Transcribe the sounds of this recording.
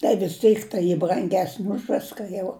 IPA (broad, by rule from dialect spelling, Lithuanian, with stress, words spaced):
tɐɪ ʋʲɪs ˈtʲiːk tɐɪ ˈiː brɐŋʲˈɡʲæːsʲnʲɪ ʊʃ ˈʋʲɪskɐ jɛʊ